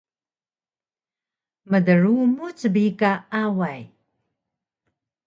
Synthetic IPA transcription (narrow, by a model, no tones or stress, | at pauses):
mədəɻumut͡səbikaawaj